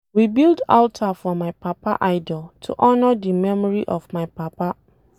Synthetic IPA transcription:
wibilda̰ltʰafɔmaɪpʰapʰaʔaɪdɔltʰṵʔɔnɔdimɛmɔɹiʔɔvmaɪpapa

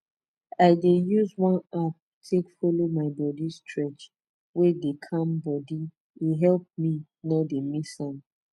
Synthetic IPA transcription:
aɪdejuzwãnap̚ | tʰekfɔlomaɪbɔdistʰɹɛt͡ʃ | wedekʰãmbɔdi | eɦɛlp̚mi | nademisãm

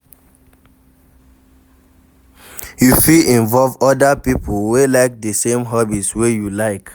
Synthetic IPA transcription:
jufiĩnvɔlvɔdəpipʰolwelaɪk̚dəsẽmɦɔbitswejulaɪk

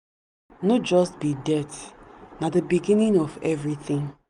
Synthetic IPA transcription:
nɔt̚d͡ʒɔstbidɛtnadəbiɡĩnĩŋɔvɛvɹiθĩŋ

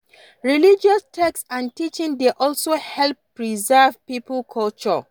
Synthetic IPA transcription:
ɹilid͡ʒɔstʰɛksãntit͡ʃĩŋdeʔɔlsohɛlpː | ɹizɛvpipʰlkʰɔlt͡ʃɔ

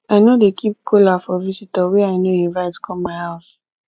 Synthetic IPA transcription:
aɪnodekʰip̚kʰolafɔvisitawɛaɪnoĩnvaɪtu̥kʰɔ̃maɪas

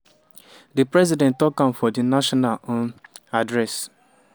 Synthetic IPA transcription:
dipɾɛzidɛ̃ntɔkãmfɔdinaʃɔnalonadɾɛs

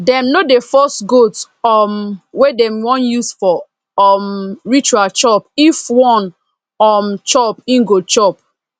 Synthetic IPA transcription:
dɛ̃mnodefɔstɡot | ɔmwedɛmwɔ̃njusfɔ | ɔmɹit͡ʃualt͡ʃɔpifwɔ̃n | ɔmt͡ʃɔpĩŋɡot͡ʃɔp̚

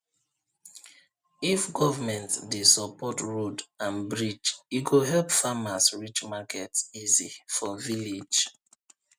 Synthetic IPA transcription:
ifɡɔvamɛ̃ntdesəpɔtɹodãnbɹid͡ʒiɡoɦɛlpfamasɹit͡ʃmakʰɛtsizifɔvilid͡ʒ

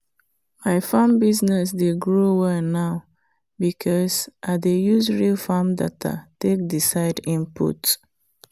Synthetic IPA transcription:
aɪfãmbiznɛs̬deɡɹowɛnaʊ | bikʰɔsʔadejuzɹilfamda̰tʰa̰tek̚disaɪdĩmpṵt

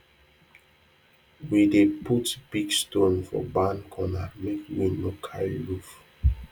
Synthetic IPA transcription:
wideputb̥iɡstõnfɔ̰bãnkʰɔnamekwilokʰalluf

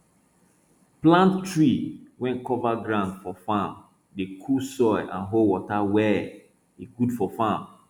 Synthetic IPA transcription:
plãnttːɹiwɛ̃nkɔvaɡɹãʊndfɔfãm | dekʰusɔɪʔã̰nɦolwɔtawɛ | iɡudfɔfãm

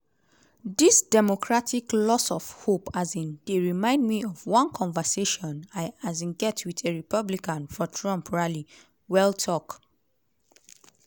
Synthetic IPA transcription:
disdɛmokɹatʰiklɔsɔv̥hopʰazĩnd̥eɹimãɪ̃ndmiɔvwãnkʰɔ̃nvəseʃɔ̃naɪazĩnɡɛtʰwiteɹipʰʌblikãnfɔtʰɹɔ̃mpʰɹali | wɛltʰɔk

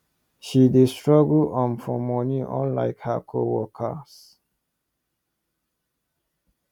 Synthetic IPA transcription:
ʃidestɹɔɡlɔ̃nfɔmɔniʔɔ̰̃nla̰ɪkhakʰowɔkʰə̰s

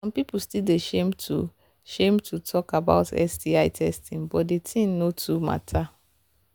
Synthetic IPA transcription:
sɔ̃mpipul̩stildeʃẽmtṵ | ʃẽmtʰutʰɔkaba̰ʊtɛ̰sdiaɪtʰɛstĩŋbɔtdetʰĩnnotʰuma̰tʰa

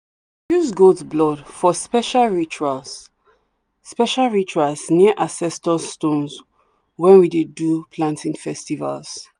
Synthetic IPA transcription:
jusɡoldsblɔdfɔspɛʃalɹit͡ʃualsː | pɛʃalɹit͡ʃualsniəʔasɛstɔ̃ːtõns | wɛ̃nwidedupʰlãntʰĩŋfɛstiva̰ls

